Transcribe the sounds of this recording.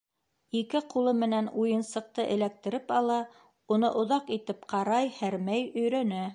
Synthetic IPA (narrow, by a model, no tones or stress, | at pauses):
ikɘqulˠɤmɘ̆nænujɤ̆nsɤ̆q̚t̪ɤʔɘ̰̆læk̚t̪ɘ̆ɾɘpɑlˠɑ | unɤʔŏðɑqit̪ɘpqʰɑɾɑjhæɾmæjɵ̆jɾænæ